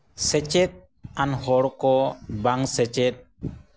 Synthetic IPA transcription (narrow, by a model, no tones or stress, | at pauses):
sɛt͡ʃɛt̪̚ | anhɔɽkɔbaŋsɛt͡ʃɛt̪̚